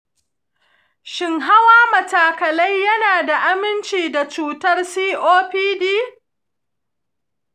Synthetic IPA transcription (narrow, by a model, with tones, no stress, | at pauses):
ʃɪ˨ŋɦa˦waː˦mɐ˨taː˨kɐ˨lɐ˦jːɐ˦naː˨da˨ʔa˦mɪ˦nt͡ʃiː˨da˨t͡ʃuː˦tɐ˦rsiː˦ʔoː˦ɸiː˦diː˦